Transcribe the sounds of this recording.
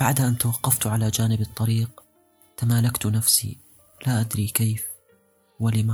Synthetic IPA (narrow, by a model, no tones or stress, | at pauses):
b̥aʕd̪ʔant̪awɑqːɑft̪ʕalad͡ʒaːnɪbɨt̪ˤːɑɾiːq | t̪amaːlakt̪nafsḭ | laʔad̪ɾikeːf | wɪlɪma